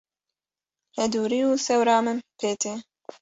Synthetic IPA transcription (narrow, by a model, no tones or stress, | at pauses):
hɛd̪uːɾiːuːsɛwɾɑːmɨnpʰeːt̪ʰeː